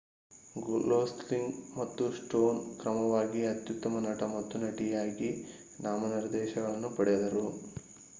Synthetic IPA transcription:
ɡuloːsʈliŋɡmɐt̪ːusʈoːnkɾɐmɐʋaːɡiɐt̪jut̪ːɐmɐnɐʈɐmɐt̪ːunɐʈijaːɡi | naːmɐniɾd̪ɛːʃɐɡɐɭɐnːupɐɽɛjɐd̪ɐɾu

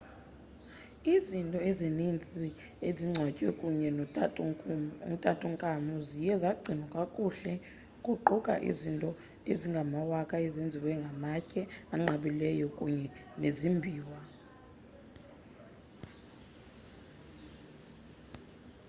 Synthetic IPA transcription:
izintʼɔezenint͡sʼi | eziŋ͡ǀʱwacʼwɛkʼuɲɛ | tʼatʼuŋkʼamuzijɛzaɡ͡ǀʱinwakʼakʼuɬɛ | kʼuǃukʼa̰ʔḭzintʼɔ | eziŋɡʱamawakʼaezend͡zʱiwɛŋɡʱamacʼɛaŋ͡ǁaɓilɛjɔkʼuɲɛnezimbʱiːwa

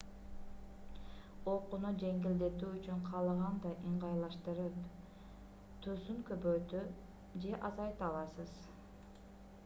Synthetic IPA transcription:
oqunud͡ʒe̞ŋɡild̪e̞t̪yːt͡ʃyɴqʰɑlˠʁɑnd̪ɑʔiɴʁɑjlˠɑʃt̪ɯɾɯp | t̪ʰøsyŋkøbøjt̪y | d͡ʒe̞ʔɑzɑjt̪ɑlˠɑsɯz̥

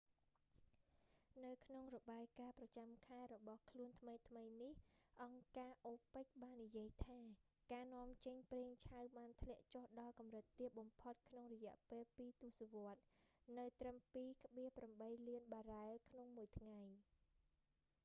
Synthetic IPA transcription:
nɨwkʰnoŋrɔɓaːjkaːprɑt͡ɕamkʰaɛɾɔɓɑhkʰluənt̪ʰməjt̪ʰməjnihʔɑŋkaːʔoːpəc̚ɓaːnːijiəjt̪ʰaː | kaːnŏəmt͡ɕəɲpreːŋt͡ɕʰawɓaːnt̪ʰlɛ̆əʔt͡ɕohɗɑlkɑmrɨt̪ːiət̪̚ɓɑmpʰot̪̚kʰnoŋrɔjɛ̆əʔpeːlpiːt̪uəsaʋŏət̪̚nɨwt̪rəmpiːkə̆ɓiəhpramɓəjliənɓaːraɛlkʰnoŋmuəjt̪ʰŋaj

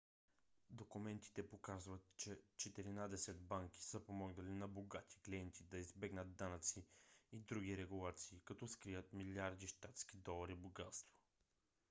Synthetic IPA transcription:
d̪okumɛnt̪i̥t̪ɛpokazvət̪t͡ʃɛt͡ʃɛt̪ɛɾinad̪ɛsɛd̪̚baŋkʲi̥səpomɔɡnəlinɐboɡat̪ʰi̥kliɛnt̪ʰid̪ɐizbɛɡnəd̪d̪anət̪siid̪ɾuɡʲiɾɛɡulˠat̪siːkɐt̪ɔskɾivət̪miliaɾd̪iʃt̪at̪sk̟id̪ɔlˠɐɾiboɡat̪st̪vo̥

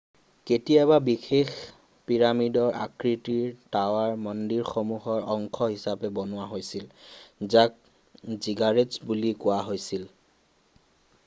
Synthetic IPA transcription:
ketijababixex | piɹamidɔɹʔa̰kɹitiɹtawaɹmɔndiɹxomuɦɔɹɔŋkʰɔɦisapɛbɔnʊwaɦojsilzak̚ | ziɡaɹetzbulikʊwaɦojsil

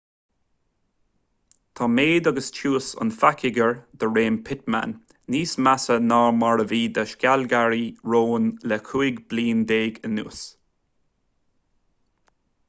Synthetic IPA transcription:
t̪ʰɑːmeːd̪aɡəst͡ʃʰuːsə̰nfakɪɡəɹd̪əɹeːmpʰɪt̪̚ma̰nː | iːsmasənaːɹmaɹəviːd̪əʃkʲalɡaɹiɹoːnlɛkʰuːɪɡbliːnd̪eːɡənṵːs

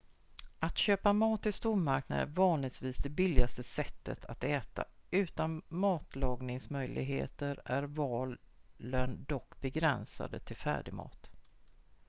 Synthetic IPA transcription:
ʔat̪ɕøːpamɑːt̪ɪst̪uːɾmaɾkna̰d̪ə̰nvɑːnlɪɡsviːsd̪ɛbɪlːɪɡast̪əsɛt̪ːə̰t̪ʰat̪ɛːt̪a̰ʉ̟ːt̪anmɑːt̪lɑːɡnɪŋsmœjlʔɪ̰ɡɦḛːt̪əɾæɾvɑːl | ənd̪ɔkːbɛɡɾɛnsa̰d̪ət̪ʰɪlfæ̰ːɖɪmɑ̰ːt̪

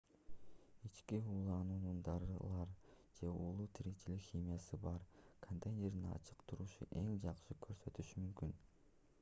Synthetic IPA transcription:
it͡ʃkiuːlˠɑnuːnund̪ɑɾɯlˠɑɾd͡ʒe̞ulˠuːt̪ʰiɾet͡ʃʰilikxʲimʲjasɯbɑɾkʰont̪ejnʲe̞ɾninɑ̰t͡ʃʰɯqt̪ʰuɾuʃṵʔe̞ŋd͡ʒɑqʃɯkʰø̞ɾsø̞t̪yʃymymkyn

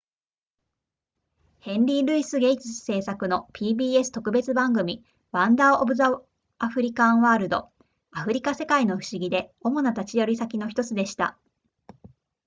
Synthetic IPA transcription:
hẽ̞nɾʲiɾɯ̟isɨɡe̞it͡ɕi̥sɨ̥se̞ːsakɯ̟no̞pʲiːbʲiːe̞sɨ̥t̪o̞kɯ̟be̞t͡sɨbãŋɡɯ̟mʲi | βãnd̪aobɯ̟za | aɸɯ̟ɾʲikãβaːɾɯ̟d̪o̞̰ | aɸɯ̟ɾʲikase̞kaino̞ɸɯ̟̥ɕiɡʲid̪e̞o̞mo̞nat̪at͡ɕijoɾʲisakʲino̞çi̥t̪o̞t͡sɨd̪e̞ɕi̥t̪a̰

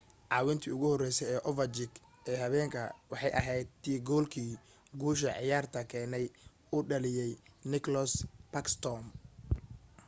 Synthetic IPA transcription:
ʕɑːwɪnt̪ʰiːʊɣʊhɔrɛjsɛjɛːʔɔvɐt͡ʃɪɡ | ɛːɦɐβɛːŋkʰɐ̰wɑħɑjʔɐ̰ɦɛjd̪̚t̪ʰiːɡɔːlkʰiː | ɡuːʃ̬ɐʕɪ̰jaːrt̪ʰɐkʰɛːnɛj | ʊɖɐlɪjɛjnɪkʰlɔspɐkst̪ʰɔm

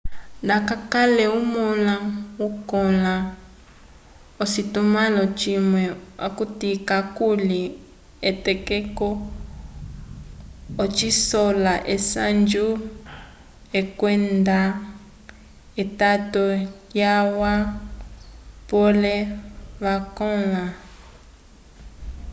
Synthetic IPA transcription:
nakakalɛumɔlaukɔla | ositumalɔt͡ʃimwɛa̰kutikakuli | etɛkɛkɔ | t͡ʃisɔlaʔesand͡ʒu | ekwɛnda | etatɔ | jawa | pɔlɛβakɔ̃la

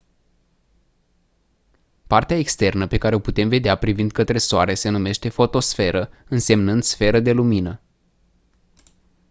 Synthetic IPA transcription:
part̪eae̞kst̪e̞rnəpe̞kaɾeo̞put̪e̞mve̞d̪eapɾivind̪̚kət̪ɾe̞soaɾe̞se̞nume̞ʃt̪e̞fo̞t̪o̞sfe̞ɾʔəɨnse̞mnɨnd̪sfe̞ɾəd̪e̞luminə

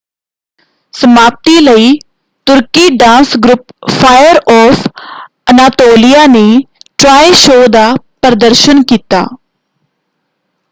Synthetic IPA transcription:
səmaːp̚t̪iːləiː | t̪ʊɾkiːɖãːnsɡɾʊppʰaːjəɾɔːfʰ | ənaːt̪oːlijaːneːʈɾaːeʃoːd̪aːpəɾd̪əɾʃənkiːt̪a̰ː

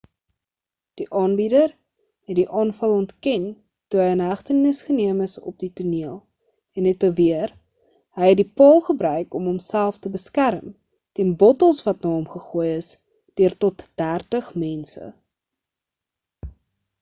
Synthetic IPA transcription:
d̥iʔɑːnbidər | ɦɛtdiʔɑːnfɐlˠɔntkɛn | tuɦəjənɦæχtənːəsχəniəməsɔ̰p̚dituniəlˠ | ɛnɦɛt̚bəviər | ɦəjɛt̚dipɑːlˠχəbɾœɥkɔmɦɔmsælˠftəbəskæɾm | tɛnbɔtəlˠsvɐtnɑːɦɔmχəχuːjəs | d̥øərtɔtd̥ærtəχmɛnsə̰

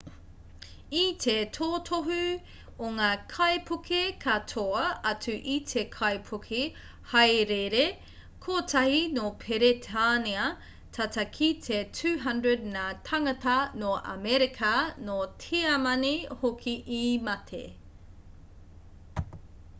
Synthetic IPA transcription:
itʰetʰoːtʰoɦʉ | oŋaːkʰɐjpʰukʰekʰatʰoɐɐt͡sʉʔitʰekʰɐjpʰokʰe | hɐjɾeɾe | kʰoːtʰɐhinopʰeɾetʰaniɐ | tʰɐtɐkʰitʰetʰʉːɦɐndɹədnatʰɐŋɐtɐnoʔɐ̰mɛɾikʰɐnotʰeɐmɐnehokʰiʔimɐtʰḛ

